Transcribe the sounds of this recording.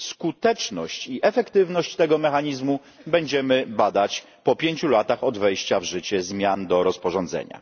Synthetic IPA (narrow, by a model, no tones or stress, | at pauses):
skut̪ɛt͡ʂnɔɕt͡ɕiʔɛfɛkt̪ɘvnɔɕt͡ɕt̪ɛɡɔmɛxaɲizmu | bɛɲd͡ʑɛmɘbad̪at͡ɕ | pɔpʲjeɲt͡ɕulat̪axɔd̪vɛjɕt͡ɕavʐɘt͡ɕɛzmʲjand̪ɔɾɔspɔʐɔnd̪zɛ̰ɲa̰